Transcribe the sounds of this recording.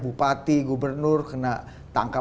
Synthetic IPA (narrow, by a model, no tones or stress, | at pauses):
bupat̪iɡubərnʊrkəna | t̪aŋka